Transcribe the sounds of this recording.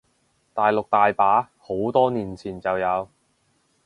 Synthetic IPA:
t̪aː˨jlʊ˨k̚t̪aː˨jpaː˨˥ | ho˨˥wt̪ɔː˥niː˨˩nt͡sʰiː˨˩nt͡sɐ˨wjɐ˨˧w

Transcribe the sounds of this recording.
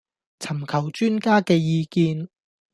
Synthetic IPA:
t͡sʰɐ˨˩mkʰɐ˨˩wt͡ʃyː˥nkaː˥kɛː˧jiː˧kiː˧n

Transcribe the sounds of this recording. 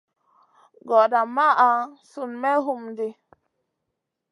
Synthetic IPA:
ɡɔ˨da˨ma˦ʔa˨su˨nmɛ˦ɦu˦˨mdi˨

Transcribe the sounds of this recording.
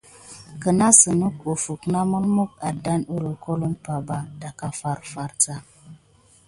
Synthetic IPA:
kə˨na˦sə˨nu˦ko˨fu˨kna˦mə˦lmu˦k̚a˨da˦nu˦ɾo˨ko˦lu˦mpa˨ba˨da˨ka˦fa˦ɾfa˦ɾt͡sa˦

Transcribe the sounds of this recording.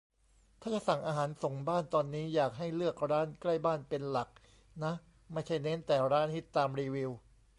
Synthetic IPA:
t̪ʰaː˥˩t͡ɕa˨˩sa˨˩ŋʔaː˧ɦaː˩˦nso˨˩ŋbaː˥˩nt̪ɔː˧nːiː˦˥jaː˨˩k̚ɦa˥˩jlɯ˥˩ək̚ɾaː˦˥˨nkla˥˩jbaː˥˩npe˧nla˨˩k̚ | na˦˥ | ma˥˩jt͡ɕʰa˥˩jne˦˥nt̪ɛː˨˩ɾaː˦˥nhi˦˥t̪ːaː˧mɾiː˧wi˧w

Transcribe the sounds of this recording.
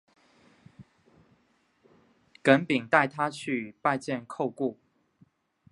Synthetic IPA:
kə˨˦npi˨˩ŋt̪a˥˩ɪt̪ʰa˦t͡ɕʰy˥˧˨pa˥˧ɪt͡ɕjɛ˥˨nkʰo˥˧ʊku˥˨

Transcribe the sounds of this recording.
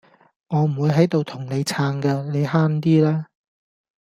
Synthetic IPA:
ŋɔː˨˧m̩˨˩wu˨˧jɦɐ˨˥jt̪o˨wt̪ʰʊ˨˩ŋne˨˧jt͡sʰaː˧ŋkɛ˧ne˨˧jɦaː˥nt̪̬iː˥lɛː˥

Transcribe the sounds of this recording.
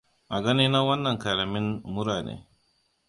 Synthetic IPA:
ʔa˨ɡɐ˦ni˦na˦wɐ˦nːɐ˨ŋka˨la˨mɪ˦nmʊ˦ɾaː˨nḛː˦

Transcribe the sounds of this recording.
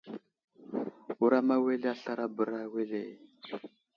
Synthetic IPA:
u˦ɾa˦ma˦we˦lɛ˦a˦ɬa˦ɾa˦bu˨ɾa˦we˦leː˨

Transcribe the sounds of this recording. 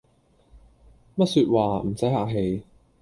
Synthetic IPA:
mɐ˥t̚syː˧t̚waː˨˧m̩˨˩sɐ˨˥jhaː˨k̚ɦe˨˧j

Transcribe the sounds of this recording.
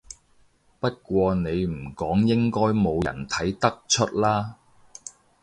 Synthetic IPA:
pɐ˥t̚kʷɔː˧ne˨˧jm̩˨˩kɔː˨˥ŋjɪ˥ŋkɔː˥jmo˨˧wjɐ̰˨˩nt̪ʰɐ˨˥jt̪ɐ˥k̚t͡ʃʰɵ˥t̚laː˥

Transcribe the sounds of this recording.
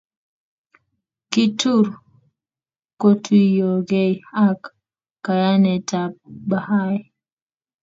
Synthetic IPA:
ki˦tu˦ɾ | ko˦tʰwi˦jo˨ɡe˦ja˦kː | a˨ja˦nɛ˨ta˨p̚ba˨ha˦j

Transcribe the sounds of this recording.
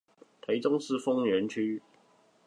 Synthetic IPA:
t̪ʰa˨˥ɪt͡sʊ˥ŋsɹ̩˥˨fʊ˥ŋɥɛ˧˥nt͡ɕʰy˥

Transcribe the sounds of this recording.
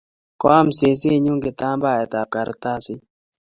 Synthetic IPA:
kɔ̰˦a˦mse˨s̬e˦˨ɲu˦ŋɡɪ˨t̪a˦mba˦˨ɛ˨t̪a˨p̚ka˨ɾt̪a˦sɪ˦

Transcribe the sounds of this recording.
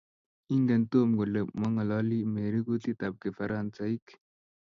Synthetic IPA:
i˦ŋɡɛ˨nt̪o˦˨mɡɔ˨le˨mɔ˦ŋa˨lɔ˦li˦me˨ɾi˦ɡu˦t̪i˦t̪a˨p̚ki˨fa˨ɾa˨nt͡sa˦i˦k

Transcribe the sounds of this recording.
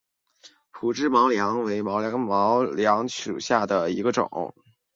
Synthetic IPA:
pʰu˨˥˩ʈ͡ʂɻ̩˥˩mɑ˧˥ʊljɑ˧˥ŋwe˧˥ɪmɑ˧˥ʊljɑ˧˥ŋmɑ˧˥ʊljɑ˧˥ŋʂu˨˩ɕja˥˩d̪ə˩i˧˥ɡə˧ʈ͡ʂʊ̰˨˩˦ŋ

